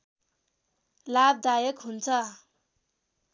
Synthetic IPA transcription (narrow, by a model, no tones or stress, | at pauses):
lab̚d̪ajʌkɦunt͡sʰʌ